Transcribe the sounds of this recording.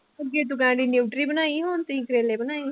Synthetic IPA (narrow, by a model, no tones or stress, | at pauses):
ɐɡet̪̬ukãːɖinuːʈɾibɐnaːiɦõːnt̪ĩkɾeːlebɐnaːi